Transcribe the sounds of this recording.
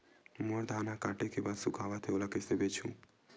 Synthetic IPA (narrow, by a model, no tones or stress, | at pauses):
moɾd̪ʱanakaʈekebad̪sukʰaʋat̪ʰeolakesebet͡ʃʰũ